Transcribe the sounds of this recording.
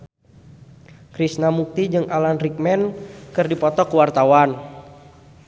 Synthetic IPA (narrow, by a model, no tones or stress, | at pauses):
kɾisnamuk̚t̪id͡ʒɨŋʔalanrik̚mɛnkɨrdipɔt̪ɔkuwart̪awan